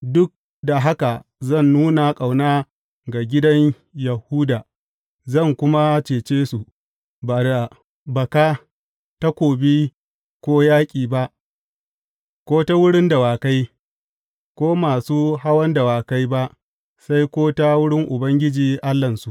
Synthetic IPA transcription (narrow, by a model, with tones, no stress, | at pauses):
dʊ˦k̚ | da˨ɦa˦ka˨zɐ˦˨nːuː˦na˨kʼa˨wnaː˦ | ɡa˨ɡʲɪ˦dɐ˦ɲ | ja˨huː˦daː˨ | zɐ˦˨ŋkʷʊ˦ma˦t͡ʃeː˨t͡ʃeː˦su˨ | baː˨da˨ | bɐ˨kaː˦ | ta˦kʷoː˨bi˦ | kʷoː˦jaː˦kʲʼiː˨ba˦ʔ | kʷoː˦ta˦wʊ˦ɽɪ˦nda˨waː˨ka˦j | kʷoː˦maː˨suː˦ɦa˦wɐ˦nda˨waː˨ka˦jba˦ʔ | sa˦jkʷoː˦ta˦wʊ˦ɽɪ˦ŋʔʊ˨bɐ˦ŋɡʲɪ˦d͡ʒiː˨ʔa˦lːɐ˨nsu˨ʔ